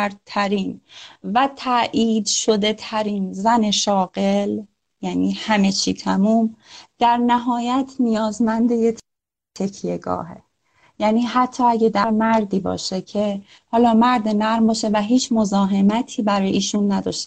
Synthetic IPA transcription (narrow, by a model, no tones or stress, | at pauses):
ɾ̚t̪ʰæɾiːnvæt̪ʰæʔiːd̪ʃo̞d̪e̞t̪ʰæɾinzæne̞ʃɒːɣel | jæniːhæme̞t͡ʃʰiːt̪ʰæmuːmd̪̥æɾnæɦɒːjæt̪ʰnijɒːzmænd̪ejetʰ | t̪ʰecʰjeɡɒ̰ːɦḛ | jæːniːɦæt̪ʰːɒːæɟed̪æɾmæɾd̪iːbɒ̰ːʃecʰe | hɒːlɒːmæɾd̪enæɣɾmbɒːʃe̞væɦiːt͡ʃʰmozɒːɦe̞mæt̪ʰiːbæɾɒːjeiːʃunːæd̪ɒ̰ːʃt̪e